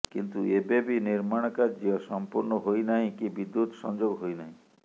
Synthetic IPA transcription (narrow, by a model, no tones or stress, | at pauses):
kint̪uebebiniɾmaɽ̃ɔkaɾd͡ʒijɔsɔmpuɾnɔɦojnaɦĩkibid̪ːut̪ɔsɔ̰nd͡ʒoɡɦojnaɦĩ